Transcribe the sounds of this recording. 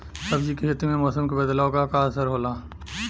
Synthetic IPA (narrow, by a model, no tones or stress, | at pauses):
sɐbd͡ʒikeɦɪt̪imẽmɔːsəmkebəd̪laːokakaːsəɾɦoːlaː